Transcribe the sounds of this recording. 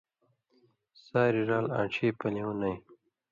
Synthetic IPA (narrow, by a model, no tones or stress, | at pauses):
saːɾiɾaːlã̰ːʈ͡ʂʰiːpɐliwunɐj